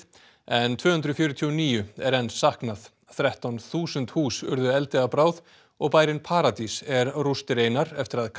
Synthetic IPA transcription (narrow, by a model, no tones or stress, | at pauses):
ɛnt̪ʰvœːhʏnd̪ɾʏfjʏːɾʏt̪ʰiɔniːjʏɛɾɛnsːahknað | θɾɛht̪awnθuːsʏnt̪huːsʏ̰ɾðʏɛlt̪ɪapɾaːwð | ɔɣpaːjɾɪnpʰaːɾat̪isɛɾrust̪ɪɾeːjnaɾɛft̪ɪɾaðkʰ